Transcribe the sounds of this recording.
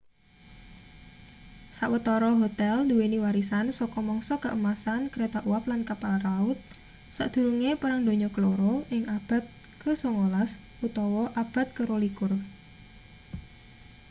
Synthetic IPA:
sa̰ʔwət̪ɔɾɔɦot̪ɛlnd̪uweniwaɾisansɔkɔmɔŋsɔkəʔəmasankəɾet̪aʔuwaplankapalraʊt̪̚ | sa̰ʔd̪̥ṳɾuŋepəɾaŋd̪o̤ɲɔkəloɾɔʔɪŋab̥a̤t̪̚ | kəsoŋolas | ʔut̪ɔwɔʔab̥a̤t̪̚kəɾolikʊr

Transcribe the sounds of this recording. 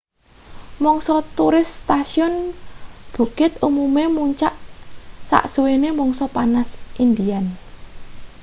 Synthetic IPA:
mɔŋsɔt̪uɾɪst̪asiɔn | b̥ṳkɪt̪umumemuɲt͡ʃaʔsa̰ʔsuwenemɔŋsɔpanasʔind̪ian

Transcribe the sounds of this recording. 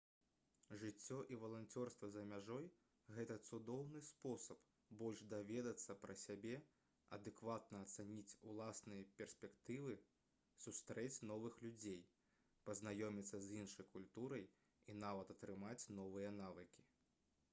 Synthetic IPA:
ʐɨt͡sʲːɔʔivɐlˠant͡sʲɔrst̪vɐzɐmʲaʐɔj | ɣɛt̪ɐt̪sud̪ɔwnɨspɔsɐp | bɔlʲʐd̪avʲɛd̪ɐt̪sːɐpɾɐsʲabʲɛ | ɐ̰d̪ɛkvat̪̚nɐːt̪sɛnʲit͡sʲulˠasnɨjɐpʲɛrsʲpʲɛkt̪ɨvɨ | sust̪ɾɛt͡sʲn̪ɔvɨxlʲud͡zʲej | pɐznajɔmʲit̪sːɐzʲinʂɐjkulʲt̪uɾɐj | inavɐt̪ɐt̪ɾɨmat͡sʲn̪ɔvɨjɐnavɨkʲi̥

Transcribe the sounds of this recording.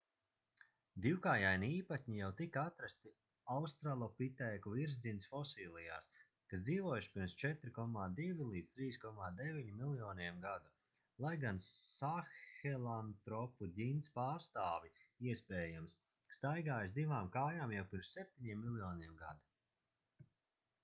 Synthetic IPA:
d̪iwkaːjajniiːpat̪ʲɲijawt̪ikaat̪ɾast̪i | awst̪ɾalˠɔpit̪ɛːkuviɾzd̪insfɔsiːlˠija̰ːs | kasd̪iːvuɔjuʃpiɾmst͡ʃɛt̪ɾikɔmaːd̪ivʲilˠiːd̪zt̪ɾiːskɔmaːd̪eviɲimilˠjɔːniɛmɡad̪u | lˠajɡansaxɛlˠant̪ɾɔpuɟint̪spaːɾst̪aːvʲiiɛspɛːjamsː | t̪ajɡaːjusd̪ivaːmkaːjaːmjawpiɾmssɛp̚t̪ʲiɲiɛmːilˠjɔːniɛmɡa̰d̪u

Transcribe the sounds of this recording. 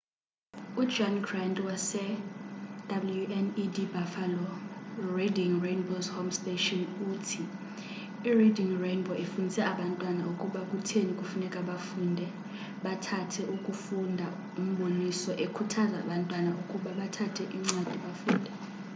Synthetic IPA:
u̥d͡ʒɔnɡrantʼwasɛ | d̥abuljuʔɛnidibafalɔrediŋrejnbozhomstetʼɔnuːtʰi | iridiŋrejnbɔefundʱisɛaɓantʼwanaukʼuɓak̬ʼutʰenikʼufunɛkʼaɓafundʱɛ | ɓatʰatʰɛʔukʼufundʱa | um̩ɓonisɔʔekʰutʰaza̰ːɓantʼwanaukʼuɓaɓatʰatʰɛʔiŋ͡ǀwad̥ʱiɓafuːndʱɛ

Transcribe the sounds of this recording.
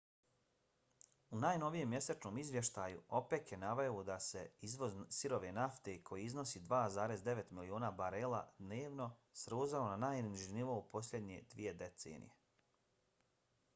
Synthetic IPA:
unaːjno̞ʋije̞mːje̞set͡ʃnomizʋje̞ʃt̪aːjuo̞pekjenaʋajod̪ase̞izʋo̞zsiɾo̞ʋe̞naft̪ekʰo̞jiizno̞siːd̪ʋaːzaːɾe̞zd̪e̞ʋe̞t̪milioːnaːbaɾeːlˠa̰d̪neːʋno̞sɾoːzaonanaːjniiʒiniʋo̞upo̞slʎʲed̪ɲe̞̰d̪̥ʋije̞d̪e̞t̪sḛːnḭje̞

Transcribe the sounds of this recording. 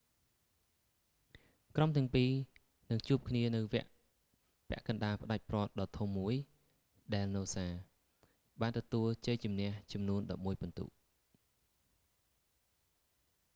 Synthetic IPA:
kromt̪ɛ̆əŋpiː | nɨŋt͡ɕuəp̚kʰniənɨwʋɛ̆əʔ | pɛ̆əʔkɑnɗaːpə̆ɗac̚prŏət̪̚ɗɑːt̪ʰumːuəj | ɗaɛlnoːsaː | ɓaːnt̪ɔt̪uəlt͡ɕəːjt͡ɕumnɛ̆əht͡ɕɑmnuənɗɑp̚muəjpont̪ṵːʔ

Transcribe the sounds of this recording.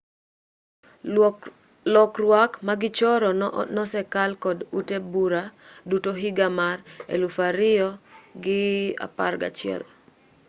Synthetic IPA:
lɔkrwakmaɡɪt͡ʃɔɾɔnɔsɛkalkɔdutebuɾadutoɦiɡamarḛlufaɾɪɔɡɪa̰parɡa̰t͡ʃɪɛ̰l

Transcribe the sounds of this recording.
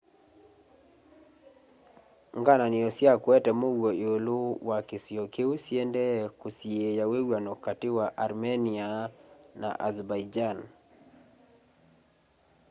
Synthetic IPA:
ŋɡananɪɔsjakwɛtɛmowwoiolowakɪsjokeusjɛndɛkusjejawewanokatɪwaʔaɾmɛniana̰ʔazbajd͡ʒan

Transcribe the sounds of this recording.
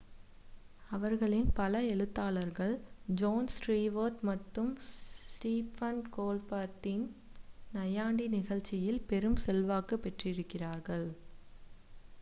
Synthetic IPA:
ɐʋɐɾɣɐɭɪnpɐlɐɛɻɯt̪ːaːlɐɾɣɐɭd͡ʒoːnsʈɾiːʋoːʈ̪mɐʈːɯmʈiːpːɐnkoːlpaːɾt̪ɪnnɐjaːɳɖinɪɣɐɭt͡ʃːɪjɪlpɛɾɯmsɛlʋaːkɯpːɛʈrɪɾɯkːɪraːɾɣɐɭ

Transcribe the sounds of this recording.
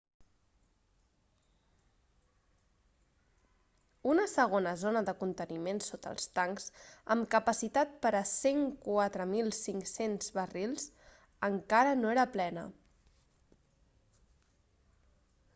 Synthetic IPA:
unəsəɣ̞onəzonəðəkunt̪ənimensot̪ə̰lˠst̪aŋkz̥əmkəpəsit̪at̪̚pəɾəseŋkwat̪ɾəmilˠsiŋksenzβərilˠz | əŋkaɾənoeɾəplɛnə̰

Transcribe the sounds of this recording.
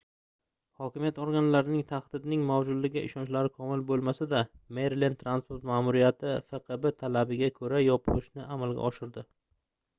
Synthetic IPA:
hɒkʲɪmijat̪ɒɾɡʲanlaɾɪnɪŋt̪ʰaχd̪ɪd̪nɪŋmawd͡ʒʊd̪lɪɡʲɪʔɪ̰ʃɒnt͡ʃlaɾɪkʰɒmɪlbolˠmasad̪ameɾlent̪ʰɾanspo̞ɾt̪maːmʊɾijat̪ʰɪfeqʰɨbɪt̪ʰalabɪɡʲakʰɵɾajɒpʰɪʃnɪamalˠɡʲa̰ʔɒʃɪɾd̪ɪ

